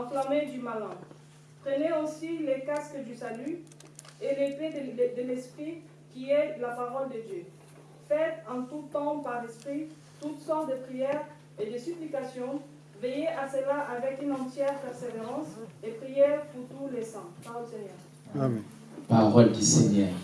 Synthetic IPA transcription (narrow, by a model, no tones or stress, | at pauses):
ɑ̃flamed̪ymalɛ̃ | t̪χeneosilekaskəd̪ysaly | eleped̪əlɛspχi | kʲiɛd̪əlapaʁɔld̪əd̪jø | fɛt̪ɑ̃t̪ut̪ɑ̃paʁlɛspχi | t̪ut̪sɔʁt̪̚d̪əpχijɛʁ | ed̪əsyplikasjɔ̃ | vejeʔasəlaʔavɛkynɑ̃t̪jɛʁpɛʁseveʁɑ̃sepχijɛʁpuʁt̪ulesɑ̃paʁɔlseɲɛːʁ | paʁɔld̪iseɲœːʁ